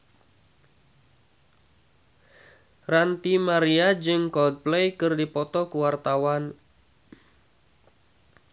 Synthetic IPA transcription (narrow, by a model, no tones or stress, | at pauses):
rant̪imaɾiad͡ʒɨŋkɔld̪̚plejkɨrdipɔt̪ɔkuwart̪awan